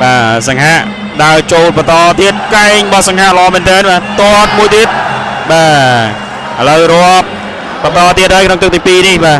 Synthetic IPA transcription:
ɓaːsaŋɦaʔ | ɗaət͡ɕoːlpɑt̪ɑːt̪iət̪̚kaɛŋɓɑhsaŋɦaʔləʔɑːmɛːnt̪ɛənɓaːt̪oət̪̚muəjt̪iət̪̚ | ɓaː | ʔələwrŏəp̚ː | ɑt̪ɑːt̪iət̪̚haːjkʰnoŋt̪ɨk̪̚ʰiːpiːnihɓaː

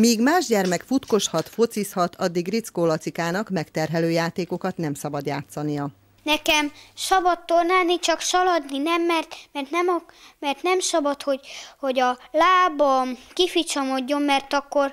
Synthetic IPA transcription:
miːɡmaːʒɟɛrmɛkfut̪ko̞ʃhɒt̪fo̞t̪sishɒt̪ʰɒd̪ːiɡrit̪skoːlɒt̪sikaːnɒkmɛkt̪ɛrɦɛløːjaːt̪eːko̞kɒt̪nɛmsɒbɒd̪jaːt̪sɒnijɒ | nɛkɛmʃɒbɒt̪ːornaːnit͡ʃɒkʃɒlɒd̪ninɛmːɛrt̪mɛrt̪nɛmɒmɛrt̪nɛmsɒbɒt̪ho̞ɟho̞ɟɒlaːbɒkifit͡ʃomo̞ɟːo̞mːɛrt̪ɒkːo̞r

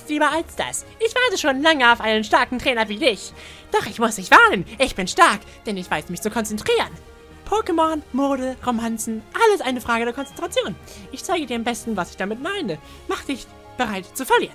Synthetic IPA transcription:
stliːbɐalsd̥a̰sʔɪçv̥aɐtəʃoːnlaŋəaʊfʔaɪnənʃtaɐkŋ̩tʁ̥ɛːnɐviːdɪç | d̥ɔχɪçmʊsdɪçv̥aɐnənʔɪçb̥ɪnʃtaɐk | d̥ɛnɪçv̥aɪsmɪçt͡sukʰɔnt͡sɛntʁ̥iːʁən | pʰɔɐkəmɔnmoːɾəʁomansn̩ʔaləsʔaɪnəfʁ̥aːɡədeːɐkʰɔnt͡sɛntʁ̥at͡sjoːnʔɪçt͡saɪɡədiːɐambɛstn̩vasɪçd̥amɪtmaɪnə | maχəd̥ɪç | b̥əʁaɪtt͡sufɛli

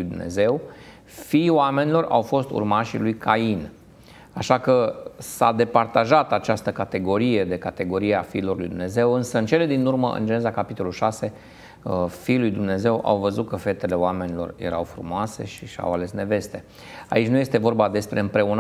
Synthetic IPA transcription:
jd̪umne̞̰ze̞w | fijowame̞nilo̞ra̰wfo̞st̪ṵrmaʃilujkʰain | aʃakəsad̪e̞part̪aʒat̪at͡ʃast̪əkat̪e̞ɡo̞ɾije̞d̪e̞kat̪e̞ɡo̞ɾijeafiːlo̞rlujd̪umne̞ze̞wɨnsəɨnt͡ʃe̞le̞d̪inurməʔɨ̰nd͡ʒeezakapit̪o̞lulʃase̞ | fiːlujd̪umne̞ze̞wʔa̰wvəzut̪̚kəfe̞t̪e̞le̞owame̞nilo̞̰rje̞̰ɾawfɾṵmoase̞̰ʃiʃa̰wale̞sne̞ve̞st̪e̞ | a̰it͡ʃʲnuje̞st̪e̞vo̞rbad̪e̞spɾe̞ɨmpɾe̞un

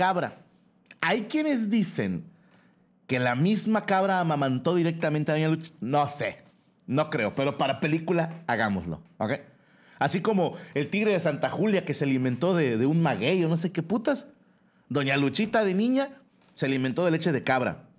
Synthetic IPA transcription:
kaβɾa̰ | ajkje̞ne̞zd̪ise̞̰ŋ | ke̞lamizmakaβɾaːmamãnt̪o̞ðiɾe̞k̚t̪amẽnt̪eaðoɲalut͡ʃi̥nosḛ | no̞kɾe̞o̞pe̞ɾo̞paɾape̞likulaːɣamozlo̞̰okej | asiko̞mo̞e̞lt̪iɣɾe̞ðe̞sant̪axuljake̞selimẽnt̪o̞ðeðeunmaɣe̞jono̞s̬e̞keput̪as | d̪o̞ɲalut͡ʃit̪aðe̞nĩɲa | seliment̪o̞ð̞elet͡ʃe̞ð̞e̞kaβɾa̰

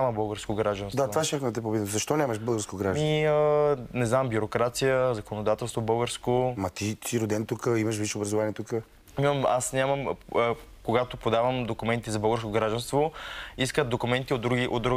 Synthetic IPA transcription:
aməbəlˠɡəɾskoɡɾaʒd̪ɐnsd̪at̪vaʃt̪ʲaxmd̪ɐt̪ɛpobit̪əmzɐʃt̪ɔnʲaməʃbɤlˠɡəɾskoɡɾaʒiənɛznambjʊɾokɾat̪sijəzɐkonod̪at̪ɛlˠst̪vobəlˠɡəɾskomɐt̪isiɾʊd̪ɛnt̪ukəiməʃ̬viʃɛobɾɐzʊvaniɛt̪ukə | nimɐma̰snʲamɐm | koɡat̪opod̪avəmd̪okumɛnt̪izɐbɤlˠɡəɾskoɡɾaʒd̪ɐnst̪voiskət̪̚d̪okʊmɛnt̪iod̪ɾuɡiʔo̰d̪ɾu

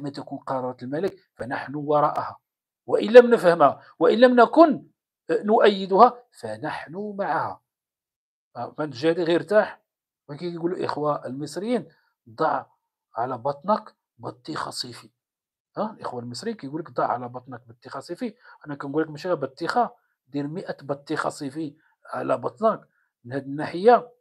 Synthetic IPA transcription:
əmːæt̪ækunqɑɾˤɑɾˤɑt̪əlmælək | fænaħnuwɑɾˤɑʔhæ | wæʔənlːæmnəfhəmhæ | wəʔənlæmnækʊn | nʊʔæjːəd̪ʊhæfænaħnʊmaʕahæ̰ | ʔmænət̪ʒæd̪iɣiɾt̪aħ | wækæɡuluʔə̰xwæʔəlməsˤɾjːin | d̪ˤɑʕ | ʕalæbɑt̪ˤnɑk | bɑt̪ˤːixɑ̰sˤifi | hælʔə̰xwalməs̬ˤɾijinkæjɡuləkd̪ˤɑʕʕalæbɑt̪ˤnɑk̚bɑt̪ˤːixɑsˤifiʔænækænɡulːəkmæʃiæbɑt̪ˤːixɑ | d̪iɾməʔæbɑt̪ˤːixɑ̰sˤifi | ʕa̰læbɑt̪ˤnɑk | mənhæd̪ənːaħəjːa

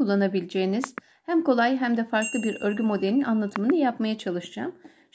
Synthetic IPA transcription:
ulˠːanabilʲid͡ʒejiniz̥ | hæmko̞lˠajɦæmd̪ɛfaɾklˠɯbiɾø̞ɾɡʲymo̞d̪elʲinanlˠat̪ʰɯmɯnɯjapmajat͡ʃʰalˠɯʃd͡ʒa̰m | ʃ

